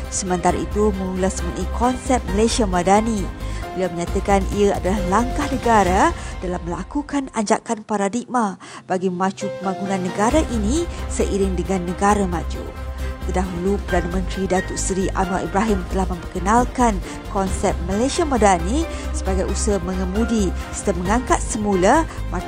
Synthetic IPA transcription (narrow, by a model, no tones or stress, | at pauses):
səmə̃nt̪aɾa̰it̪umə̃mulasməʔikʰɔnsɛp̚məlesiamadanibəliawməɲat̪akanḭəadalahlaŋkahnəɡaɾadalamːəlakukanaɲd͡ʒa̰kanpaɾadik̚ma | b̥aɡimãt͡ʃupəmbaɡunãnːəɡaɾaʔinĩsəʔiɾɪŋdəŋanːəɡaɾamad͡ʒṵt̪ərdaɦulupərdanəmə̃nt̪ɾidat̪ʊʔsɾiʔa̰nwaʔibɾaɦimt̪əlahmə̃mbəkənalkan | kɔnsɛp̚məleʃiamadanisəbaɡajusəmə̃ŋəmudii̥st̪əməŋaŋkat̪̚səmulama